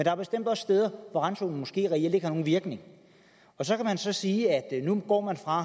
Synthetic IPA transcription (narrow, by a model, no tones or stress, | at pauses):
end̥ɑæɐb̥e̝sd̥em̰d̥ɒ̽ssd̥eːð̞ˠɐʋɒʁanso̝ːn̩mɔ̽sɡ̥e̝̰ːʁɛel̰de̝ɡ̥hɑno̝ːn̩ʋiɐɡ̥ne̝ŋ | ɒ̽sɒ̽kʰæmænsɒ̽siːæd̥nuɡ̥ɒ̰ːmænfʁɑ̈